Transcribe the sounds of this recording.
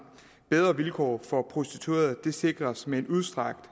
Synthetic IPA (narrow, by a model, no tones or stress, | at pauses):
b̥eð̞ˠʁɐʋilkʰɒ̰ːfɒ̽pʰʁo̝sd̥it͡sʰuḛːɐðˠd̥e̝se̝ɡ̥ʁɐsmee̝nuðˠsd̥ʁɑ̈ɡ̥̚d̥